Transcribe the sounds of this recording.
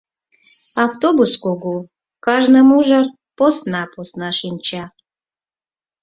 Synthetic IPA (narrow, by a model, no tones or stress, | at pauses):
aft̪obuskoɡu | kɑʒnəmuʒər | posnaposnaʃinʲt͡ʃa